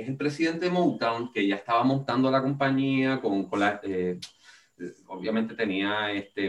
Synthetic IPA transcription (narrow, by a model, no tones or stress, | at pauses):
eselpɾe̞siðe̞nt̪emowt̪awnke̞ʝaest̪aβamõ̞nt̪and̪oalako̞mpaɲiakoŋkonlae | o̰βjament̪e̞t̪e̞niaest̪e